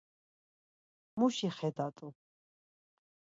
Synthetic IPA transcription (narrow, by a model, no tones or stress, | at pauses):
muʃiχɛd̪at̪ʼu